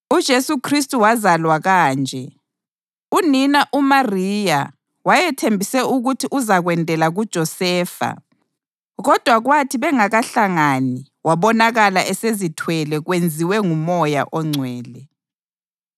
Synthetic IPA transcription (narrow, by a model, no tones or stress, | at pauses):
ud̥ʒ̥ʱesukʰristʼuwazalwaɣaːnd͡ʒʱɛ | uninaʔumariːja | wajɛtʰembʱisɛuɣutʰiʔuzaɣwɛndʱɛlaɣud̥ʒ̥ʱɔsɛːfa̰ | ɣɔd̥ʱwaɣwatʰiβɛŋaɣaɬaŋani | waβɔnaɣalaʔɛsezitʰwɛlɛɣwend͡zʱiwɛŋumɔja̰ʔɔŋ͡ǀʱwɛːlɛ